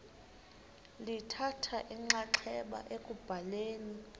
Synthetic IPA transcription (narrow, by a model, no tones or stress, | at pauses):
litʰatʰaʔiŋ͡ǁaǁʰɛɓa̰ʔekʼub̥ʱaleːni